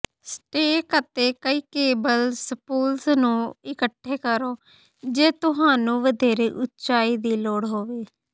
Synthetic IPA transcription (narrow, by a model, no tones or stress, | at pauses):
sʈeːkət̪eːkəiːkeːbəlspuːlsnũːɪkəʈʰːeːkəɾoː | d͡ʒeːt̪ʊɦaːnũːʋəd̪eːɾeːʔʊtːt͡ʃaːiːd̪iːloːɽɦoːʋeː